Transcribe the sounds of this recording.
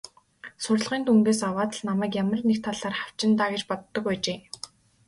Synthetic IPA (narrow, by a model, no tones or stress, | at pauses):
sʊrɮʁiːnt̪ʰuŋɡ̪eːsawaːt̪ə̆ɮnamæːkjamə̆rnekt̪ʰːaɮaːrχaw̥t͡ɕɪ̆nt̪aːɡet͡ɕpɔt̪ːə̆ɞ̆kwæːt͡ɕeː